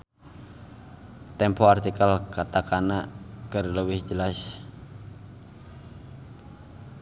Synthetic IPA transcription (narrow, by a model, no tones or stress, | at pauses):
t̪ɛmpɔart̪ikalkat̪akanakərləwɪhd͡ʒəlas